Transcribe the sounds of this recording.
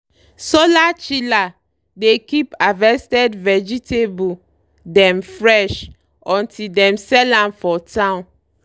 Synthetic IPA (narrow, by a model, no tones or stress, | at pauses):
solat͡ʃila | dekipavɛstɛdvɛd͡ʒitʰebu | dɛ̃mfɹɛʃ | ɔ̃ntʰildɛ̃msɛlãnfɔtʰãn